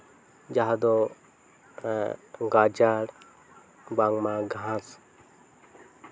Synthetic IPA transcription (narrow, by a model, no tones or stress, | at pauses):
d͡ʒaɦad̪o | ɡad͡ʒaɽ | baŋmãɡʱãs